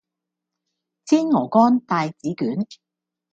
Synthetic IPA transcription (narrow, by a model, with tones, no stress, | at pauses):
t͡siː˥nŋɔː˨˩kɔː˥nt̪aː˨˧jt͡siː˨˥kyː˨˥n